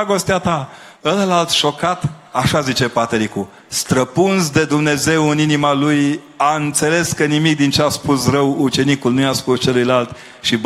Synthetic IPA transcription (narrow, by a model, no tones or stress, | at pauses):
ɡo̞st̪eat̪a | ələlalt̪ʃo̞kat̪aʃazit͡ʃe̞pat̪eɾiku | st̪ɾəpunzd̪e̞d̪umne̞ze̞wɨninimaluj | aɨnt̪se̞le̞skənimik̚d̪int͡ʃeaspusrəwut͡ʃe̞nikulnujaspust͡ʃe̞lujlalt̪ | ʃib